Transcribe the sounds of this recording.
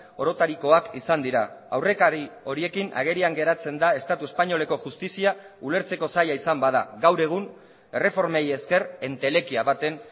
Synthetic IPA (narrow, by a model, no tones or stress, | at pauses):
o̞ɾo̞t̪aɾiko̞akisand̪iɾaa̰wre̞kaɾio̞ɾie̞kina̰ɣ̞e̞ɾiaŋɡe̞ɾat͡se̞nd̪ae̞st̪at̪ue̞spaɲo̞le̞ko̞ʝust̪isia | ule̞ɾt͡se̞ko̞sajaisambað̞a̰ɡawɾe̞ɣ̞un | e̞re̞fo̞ɾmeje̞ske̞re̞nt̪e̞le̞kiaβat̪e̞n